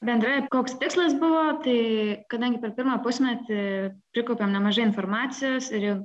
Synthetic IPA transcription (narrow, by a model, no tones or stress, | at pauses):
bʲɛnd̪ɾɐjɛkoːkst̪ʲɪkslˠɐsbʊʋoːt̪ɐɪkɐd̪ɐŋʲɡʲɪpʲɛɾpʲɪɾmɑːpʊsʲmʲɛt̪ʲɪpʲɾʲɪkoʊpʲemnʲɛmɐʒɐɪɪnfoːrmɑːt̪sʲɪjoːsɪɾjɛʊ